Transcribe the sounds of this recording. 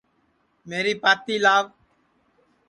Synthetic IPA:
meːɾiːpaːt̪iːlaːʋ

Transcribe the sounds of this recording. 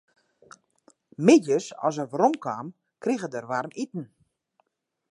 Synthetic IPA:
mɪdjəsɔ̰s̬əʋɾomkʰwaːm | kriɣədərʋarmitn̩

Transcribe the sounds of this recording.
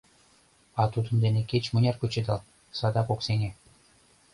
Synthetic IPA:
ɑt̪ud̪ə̆md̪enekʲet͡ɕmŭnʲɑrkut͡ɕĕd̪ɑl | sɑd̪ɑpoksenʲe

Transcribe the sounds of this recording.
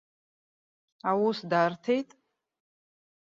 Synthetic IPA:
awusdaːrtʰejtʼ

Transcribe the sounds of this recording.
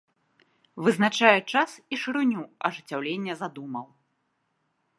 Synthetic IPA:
vɨznat͡ʂajɛt͡ʂasiʂɨɾunʲuɐʐɨt͡sʲːawlʲenʲːɐzad̪umɐw

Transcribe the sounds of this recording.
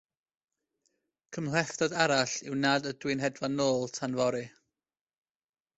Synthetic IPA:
kʰəmlɛftɔdaɾaɬɪwnadədwɨnɦɛdvanoːlˠtʰanvɔɾɨ

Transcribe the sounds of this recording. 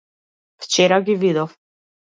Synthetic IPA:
ft͡ʃɛɾaɡʲivid̪ɔf

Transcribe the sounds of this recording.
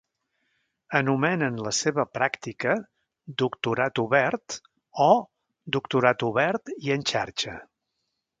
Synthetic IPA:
ənumɛnənləseβəpɾakt̪ikə | d̪ukt̪uɾat̪uβɛrt̪ | ɔ | d̪ukt̪uɾat̪uβɛɾt̪iənʲt͡ʃaɾt͡ʃə

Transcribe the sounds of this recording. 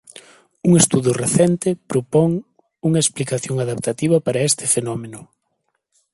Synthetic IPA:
uŋest̪uðʊreθɛnt̪ɪpɾopɔŋ | uŋɐesplikaθjoŋaðap̚t̪at̪iβ̞ɐpaɾɐest̪ɪfenɔmenʊ

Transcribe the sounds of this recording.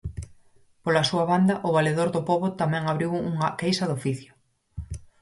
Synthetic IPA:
polasuɐβand̪ɐʔʊβaleðoɾðʊpoβot̪amɛ̃ŋaβɾiwuŋɐkejsɐðofiθjʊ

